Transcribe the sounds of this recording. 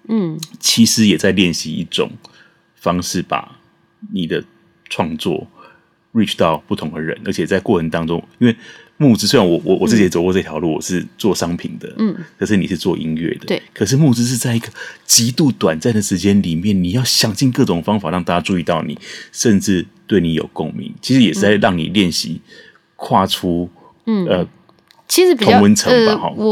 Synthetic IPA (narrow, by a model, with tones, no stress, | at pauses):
t͡ɕʰi˧˥ʂɻ̩˧˥jɛ˨˩t͡sa˥˧ɪljɛ˥˩nɕi˧˦ḭ˥˩ʈ͡ʂʊ̰˨˩ŋ | fɑ˥ŋʂɻ̩˥˩pa̰˨˩˦ | ni˨˩d̪ə˦ | ʈ͡ʂʰwɑ˥˧ŋt͡swɔ̰˥˩ | ɹi˥˩ʈ͡ʂʰt̪ɑ˥˧ʊpu˥˩t̪ʰʊ˧˥ŋd̪ə˨ɻə̰˧˦nʔə̰˧˥t͡ɕʰjɛ˨˩t͡sa˥˧ɪkwɔ˥˩ʈ͡ʂʰə˧˥nt̪ɑ˥ŋʈ͡ʂʊ˥˦ŋi˥nwe˥˧ɪ | mu˥˧t͡sɻ̩˥swe˥ɪɻa˧nwɔ˨˩wɔ˨˩wɔ̰˨t͡s̩˥˩t͡ɕi˨˧˥t͡so˨˩˦kwɔ˥˧t͡sə˥˧˩t̪ʰjɑ˧˦ʊlu˥˩wɔ̰˨˩ʂɻ̩˥˧t͡swɔ˥˩ʂɑ˥ŋpʰḭ˨˩nd̪ə̰˦kʰə˨˩ʂɻ̩˥˩ni˨˩ʂɻ̩˥˧t͡swɔ˥˧ʔḭ˦nɥɛ̰˥˩d̪ə˦˧kʰə˨˩ʂ̬ɻ̩˥˧mu˥˧t͡sɻ̩˥ʂ̬̩˥˧t͡sa˥˩ɪi˧ɡə˧t͡ɕi˧˥t̪u˥˧t̪wa˨˩nt͡snd̪ə˩ʂɻ̩˧˥t͡ɕjɛ˥˦nli˨˩mjɛ˥˩nni˨˩jɑ˥˩ʊɕjɑ˨˩ŋɕi˥˧ŋkɤ˥˩ʈ͡ʂʊ˨˩ŋfɑ˥ŋfa˨˦ɻɑ˥˧ŋt̪a˥˩t͡ɕja˥˧ʈ͡ʂu˥˧i˥˧t̪ɑ˥˩ʊnḭ˨˩˦ʂə˥˧nʈ͡ʂɻ̩˥˧t̪we˥˩ɪni˨˥jo˨˩ʊko̰˥˧ŋmḭ˧˥˦ŋt͡ɕʰi˧˥ʂɻ̩˧˦jɛ˨˩ʂ̩˥˩t͡sa˥˧ɪɻɑ˥˩ŋnḭ˨˩ljɛ˥˩nɕḭ˧˦ | kʰwa˥˩ʈ͡ʂʰu˦ | ə˧ | t͡ɕʰi˧˥ʂɻ̩˧˥io˧˨˥ŋwə˧˦nt͡sʰə˧˥ŋa˧˦xɔ̰˥˩